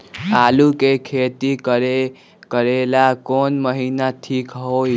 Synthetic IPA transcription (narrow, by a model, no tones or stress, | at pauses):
alukekʰet̪ikɾe | kəɾelakonməɦinaʈʰikɦoj